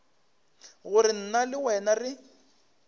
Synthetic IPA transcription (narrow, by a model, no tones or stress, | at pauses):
ɣʊɾɪn̩nalɪwɛnarɪ